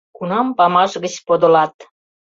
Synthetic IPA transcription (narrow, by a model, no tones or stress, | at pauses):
kunɑmpɑmɑʃɣət͡ɕpod̪ŏlɑt̪